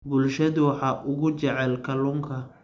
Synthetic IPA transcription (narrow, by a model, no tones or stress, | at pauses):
bʊlʃɐðʊwɑħɑːʔʊɣʊt͡ʃɛʕɛlkʰɐlʊŋkʰɐ